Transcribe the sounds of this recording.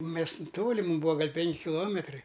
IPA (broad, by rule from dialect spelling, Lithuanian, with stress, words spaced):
ˈmʲɛs ˈtoːlʲɪ ˈmuːm ˈbuːɐ ˈɡɐlʲ ˈpʲɛŋʲkʲɪ kʲɪˈlˠoːmʲɛtrɐɪ